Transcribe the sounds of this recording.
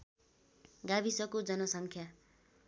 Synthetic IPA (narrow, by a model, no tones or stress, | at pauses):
ɡabisʌkod͡zʌnʌsʌŋkʰja